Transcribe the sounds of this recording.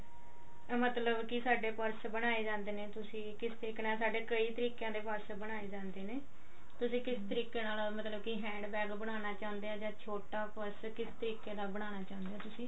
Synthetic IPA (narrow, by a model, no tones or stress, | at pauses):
mət̪ləbkɪsaːɖeːpəɾsbəɽ̃aːeːd͡ʒãːnd̪eːneːt̪ʊsĩːkɪst̪əɾiːkeːnaːlsaːɖeːkəiːt̪əɾiːkejãːd̪eːpəɾsbəɽaːeːd͡ʒãːnd̪eːneː | t̪ʊsĩːkɪst̪əɾiːkeːnaːlmət̪ləb̚kiɦɛ̃ːɳɖbɛːɡbəɽ̃aːnaːt͡ʃãːnd̪eːaːd͡ʒãːt͡ʃʰoːʈaːpəɾskɪst̪əɾiːkeːd̪aːbəɽ̃aːnaːt͡ʃãːnd̪eaːt̪ʊsĩː